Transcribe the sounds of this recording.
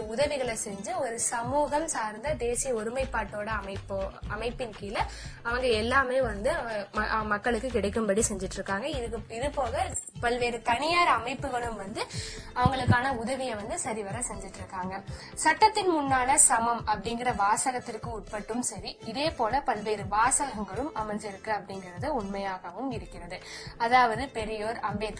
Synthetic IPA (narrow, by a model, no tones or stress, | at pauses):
ʊðɐʋɪɣɐɭɛsɛɲd͡ʒɯɔɾɯsɐmuːɣɐmsaːɾnd̪ɐd̪eːsɪjɐɔɾɯmɐɪpːaːʈːoːɽɐɐmɐɪpːoɐmɐɪpːɪnkiːlɐɐʋɐŋɡɐɛlːaːmeːʋɐnd̪ɯʔɐ̰mɐkːɐɭɯkːɯkɪɽɐɪkːɯmpɐɽisɛɲd͡ʒɪʈːɪɾɯkːaːŋɡɐɪkɪðɯpoːɣɐpɐɭʋeːɾɯt̪ɐnɪjaːɾɐmɐɪpːɯɣɐɭɯmʋɐnd̪ɯɐʋɐŋɡɐɭɯkːaːnɐʊðɐʋɪjɐʋɐnd̪ɯsɐɾiʋɐɾɐsɛɲd͡ʒɪʈːɾɯkːaːŋɡɐ | sɐʈːɐt̪ːɪnmʊnːaːlɐsɐmɐmɐpːɐɽɪŋɡɪrɐʋaːsɐɣɐt̪ːɪrkɯʊʈ̚pɐʈːɯmsɐɾiɪðeːpoːlɐpɐlʋeːɾɯʋaːsɐɣɐŋɡɐɭɯmɐmɐɲd͡ʒɪɾɯkːɯɐpːɐɽɪŋɡɪrɐðɯʊɳmɐjaːɣɐʋɯmɪɾɯkːɪrɐðɯɐðaːʋɐðɯpɛɾɪjoːɾɐmbet̪ː